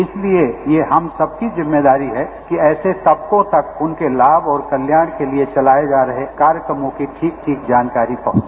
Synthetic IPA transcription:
ɪsliejeɦɐmsɐb̚kizɪmːed̪aːɾiɦɛkiɛːset̪ɐb̚kõt̪ɐkʊnkelaːbɔːɾkɐljaːɽ̃keliet͡ʃɐlaːed͡ʒaːɾɐɦekaːɾjəkɾəmõkiʈʰiːk̚ʈʰiːkd͡ʒaːnkaːɾipɐɦ

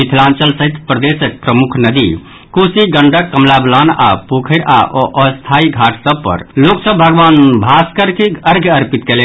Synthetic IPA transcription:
it̪ʰlant͡ʃəlsəɦit̪pɾəd̪esək̚pɾəmukʰnəd̪i | kusiɡəɳɖəkːəmlablana̰pukʰəɪɾa̰ʔʔəst̪ʰaiɡʱaʈʰsəb̚pə̰ɾloksəbːʱəɡʋanbʱaskəɾkeəɾɡʱəɾpit̪kelɛ

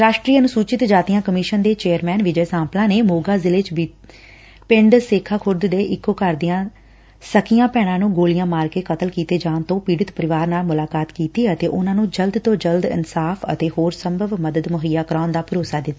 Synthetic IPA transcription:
ɾaːʃʈɾiːənʊsuːt͡ʃɪt̪d͡ʒaːt̪ijãːkəmɪʃənd̪eːt͡ʃeːəɾmɛːnʋɪd͡ʒəːsãːmplãːneːmoːɡaːzɪleːt͡ʃ | pɪ̃ɳɖseːkʰːaːkʰʊɾd̪d̪eːʔɪkːoːkəɾd̪ɪjãː | səkɪjãːpɛːɽ̃ãːnũːɡoːlɪjãːmaːɾkeːkət̪əlkiːt̪eːd͡ʒãːnt̪õːpiːɽɪt̪pəɾɪʋaːɾnaːlmʊlaːkaːt̪kiːt̪iːət̪eːʔʊnãːnũːd͡ʒəld̪t̪õːd͡ʒəld̪ɪ̰nsaːpʰə̰t̪eːhoːɾsəmbʱəʋməd̪əd̪mʊɦəjːaːkəɾaːnd̪aːpʊɾoːsaːd̪ɪnaː

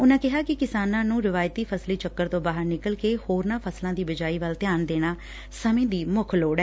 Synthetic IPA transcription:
ʊnãːkɪɦaːkɪkɪsaːnãːnũːɾɪʋaːjt̪iːpʰəsliːt͡ʃəkːəɾt̪õːbaːɦəɾnɪkəlkeːhoːɾnãːpʰəslãːd̪iːbəd͡ʒaːiːʋəlt̪ɪjaːnd̪eːɽ̃aː | səmẽːd̪iːmʊkʰloːɽɛː

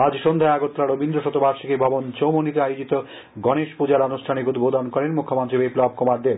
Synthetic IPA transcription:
ad͡ʑʃond̪ʱaeaɡot̪ːɾaɾobind̪ɾoʃot̪obaɾʃikebʱɔbont͡ɕowmonit̪eajod͡ʑit̪o | ɡɔneʃpud͡ʑaɾanuʃʈʰanikud̪ʱbod̪ʱankɔɾenmukʰːomont̪ɾibeplɔb̚komaɾd̪eb

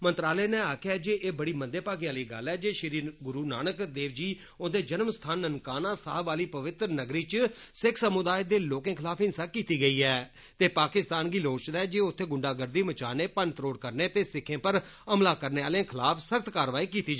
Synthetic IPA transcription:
mə̃nt̪ɾaːleːnẽːaːkʰɛːd͡ʒeːʔeːbəɽiːmə̃nd̪eːpaːɡiaːliːɡə̰lɛːd͡ʒeːʃɾiːɡʊɾuːnaːnəkd̪eːʋd͡ʒiː | õːd̪eːd͡ʒənmst̪ʰaːnənkaːnãːsaːɦbaːliːpəʋɪt̪ɾnəɡɾiːt͡ʃsɪkʰsəmʊd̪aːed̪eːloːkẽːkʰɪlaːpɪnsaːkiːt̪iːɡəiːɛː | t̪eːpaːkɪst̪aːnɡiːloːt͡ʃd̪aɛːd͡ʒeːʊt̪ʰːeːɡʊɳɖaːɡəɾd̪iːmət͡ʃaːneːpənt̪ɾoːɽkəɾneːt̪eːsɪkʰːẽːpəɾəmlaːkəɾneːaːlãːkʰɪlaːpʰsəkt̪kaːɾʋaːiːkiːt̪iːd͡ʒ

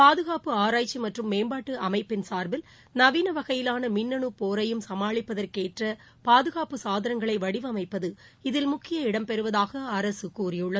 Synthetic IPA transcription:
paːðɯɣaːpɯaːɾaːjt͡ʃːimɐʈrɯmːeːmbaːʈːɯʔɐmɐɪpːɪnsaːɾbɪl | nɐʋiːnɐʋɐɣɐjɪlaːnɐmɪnːɐɳɯpoːɾɐjɯmsɐmaːɭɪpːɐðɐrkeːʈrɐ | paːðɯɣaːpɯsaːðɐɾɐŋɡɐɭɐɪʋɐɽɪʋɯɐmɐɪpːɐðɯɪðɪlmʊkːɪjɐɪɽɐmpɛɾɯʋɐðaːɣɐɐɾɐsɯkuːɾɪjɯɭːɐ

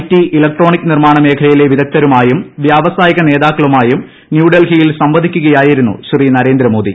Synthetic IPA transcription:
tːiʔilɐk̚ʈro̞ːɳikʲːɨnirmaːɳɐme̞ːkʰɐlɐjile̞ʋid̪ɐk̚t̪ːɐɾumaːjumʋjaːʋɐsaːjɐɣɐne̞ːðaːkːɐɭumaːjum | njuːɖɐlɦijilsɐmʋɐd̪ʱikʲːuɣɐjaːjiɾunːṵɕirinɐɾe̞ːnd̪ɾɐmo̞ːd̪ḭ

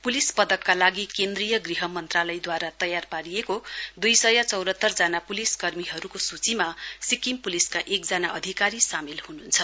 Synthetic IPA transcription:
pulispʌd̪ʌkːalaɡikend̪rijʌɡriɦʌmʌnt̪ralʌjd̪waɾat̪ʌjarpaɾijekod̪ujsʌjat͡sʌwɾʌt̪ːʌrd͡zanapuliskʌrmiɦʌɾukosut͡simasikimpuliskaʔekd͡zanaʔʌd̪ʱikaɾisamilhununt͡sʰʌ

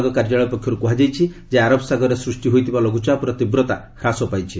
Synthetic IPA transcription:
ɡɔkaɾd͡ʒaɭɔpɔkʰːjɔɾukuɦad͡ʒajt͡ʃʰi | d͡ʒeaɾɔbsaɡɔɾesɾusʈiɦojt̪ʰibalɔɡut͡ʃapuɾɔt̪ibɾɔt̪akʰɾasɔpajt͡ʃʰi

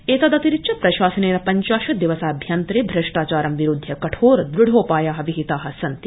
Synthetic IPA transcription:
eːt̪ɐd̪ɐt̪iɾit͡ʃʰɐpɾɐʃaːsɐneːɾɐpɐɲt͡ʃaːʃɐd̪iʋɐsaːbʱjant̪ɾeːbʱɾɐʂʈaːt͡ʃaːɾɐmʋiɾud̪ʱːjɐkɐʈʰoːɾd̪ɾuɽʱoːpaːjaːɦɐʋiɦit̪aːɦɐsɐnt̪i̥

